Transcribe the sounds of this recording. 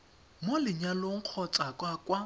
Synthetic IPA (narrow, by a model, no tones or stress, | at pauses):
molɪɲaloŋ̩q͡χʰɔt͡sʼakʼwakʼwa